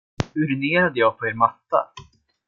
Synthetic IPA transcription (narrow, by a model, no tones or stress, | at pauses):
hɵɾneːɾad̪əjɑːɡ̚pʰɔɛɾmat̪ːa̰